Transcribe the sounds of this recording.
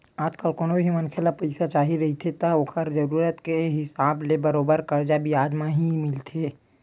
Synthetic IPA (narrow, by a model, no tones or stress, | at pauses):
aːd͡ʒkəlkoːnobʱimɐnkʰelapɐɪsat͡ʃaːɦiɾɐɦit̪ʰet̪aokʰəɾd͡ʒɐɾuːɾət̪keɦɪsaːblebəɾoːbəɾkɐɾd͡ʒabʱiaːd͡ʒmãɦimɪlt̪ʰeː